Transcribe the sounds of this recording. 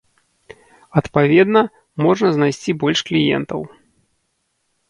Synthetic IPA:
ɐt̪pavʲɛd̪nɐ | mɔʐnɐznajsʲt͡sʲibɔlʲʂklʲijɛ̰nt̪ɐw

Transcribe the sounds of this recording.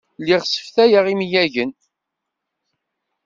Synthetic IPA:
lːiʁsə̥fθæjəʁimjæʝən

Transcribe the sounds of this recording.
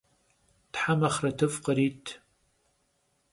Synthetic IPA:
tħamɐχrɐtʰɨfqəɾiːtʰ

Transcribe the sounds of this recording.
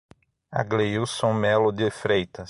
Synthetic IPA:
a̰ɡlejuwsõmɛlʊd̪ɪfɾejt̪ɐ

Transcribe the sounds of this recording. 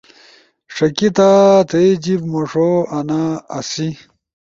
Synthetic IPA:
ʂɐkit̪at̪ɐjd͡ʑibmoʂoɐnaːsi

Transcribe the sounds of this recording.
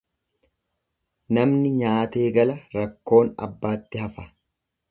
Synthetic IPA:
nɐmnɪɲaːt̪e̞ːɡɐlɐɾɐkːo̞ːnɐ̰bːaːt̪ːɪhɐfɐ

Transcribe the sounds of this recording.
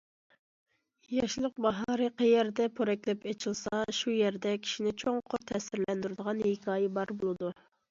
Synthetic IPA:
jɑʃlˠəq̚bɑɦɑɾɨqʰɛjɛɾd̪ɛpʰoɾɛkʲlɛpet͡ʃʰilˠsɑʃujɛɾd̪ɛkʲʰi̥ʃinɪt͡ʃʰoŋqʰʊɾt̪ʰɛsɪɾlɛnd̪yɾɪd̪əʁɑnhekʰɑːjɛbɑɾbolˠɨd̪u

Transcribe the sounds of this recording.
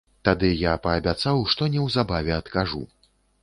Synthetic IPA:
t̪ad̪ɨjapɐːbʲat̪sawʂt̪ɔnʲɛwzabavʲɛɐt̪kaʐṵ

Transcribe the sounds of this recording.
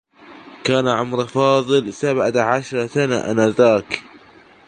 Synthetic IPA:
kaːnaʕʊmɾfɑːðˤɨlsabʕaʕaʃɾˤsanaʔa̰naðaːk

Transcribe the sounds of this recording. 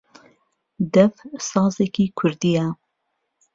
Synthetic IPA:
d̪ɛfsɑːzekiːkʰʊɾd̪ija

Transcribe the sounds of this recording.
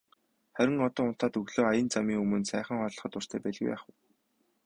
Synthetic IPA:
χæɾʲɪ̆ŋɔt̪ɔːʊn̥t̪aːt̪ɵɣɮoːajə̆nt͡samiːŋɵmɵ̆nsæːχə̆ŋɔːɮə̆χɞ̆t̪ʊr̥t̪ʰæːpæɮɣujpæ̰ːχuj

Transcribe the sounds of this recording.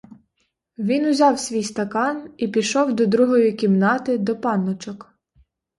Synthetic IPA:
ʋʲinʊzʲɑwsʲʋʲijst̪ɐkɑnipʲiʃɔwd̪ɔd̪ɾuɦɔjikʲimnɑt̪ɪd̪ɔpɑnːɔt͡ʃɔk

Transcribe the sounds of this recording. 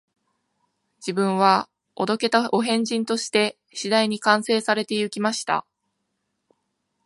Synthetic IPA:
d͡ʑibɯ̟̃ɰ̃βa | od̪o̞ke̞t̪ao̞ɦẽ̞ɲ̟d͡ʑĩnt̪o̞ɕi̥t̪e̞ | ɕid̪aiɲ̟ikãɰ̃se̞ːsaɾe̞t̪e̞jɯ̟kʲimaɕi̥t̪a̰

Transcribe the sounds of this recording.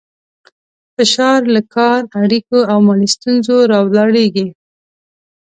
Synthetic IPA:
fɪʃɑɾlakʰɑɾaɽikoawmɑɽist̪unzoɾɑwlɑɽeɡi

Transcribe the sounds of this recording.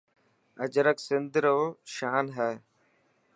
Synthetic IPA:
əd͡ʒɾəksɪnd̪ɾoːʃaːnɦɛː

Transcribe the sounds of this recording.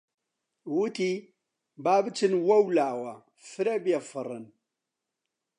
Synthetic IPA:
wut̪i | baːbət͡sɨnwɐwlawa | fɨɾebjafərə̰n

